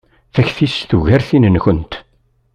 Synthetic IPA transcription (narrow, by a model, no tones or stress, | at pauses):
θæçθist̪uʝæɾθinənçʊnt̪